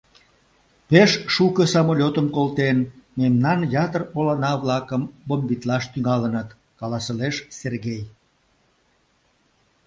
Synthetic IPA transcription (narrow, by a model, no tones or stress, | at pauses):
peʃːukəsɑmolʲot̪əmkolt̪enmemnɑnjɑt̪ərolɑnɑβlɑkəmbombit̪lɑʃt̪yŋɑlənət̪ | kɑlɑsəleʃserɣej